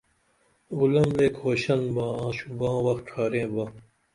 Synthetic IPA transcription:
ɡulɐmleːkhoːɕɐnbãːãːɕubãːwɐxʈʰaːɾẽːba

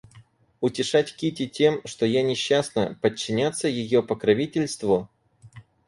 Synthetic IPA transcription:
ʊtʲɪʂatʲkʲitʲɪtʲe̞mʂt̪o̞janʲɪɕːasnəpət͡ɕːɪnʲat̪sːəjɪjo̞pəkɾɐvʲitʲɪlʲst̪vʊ

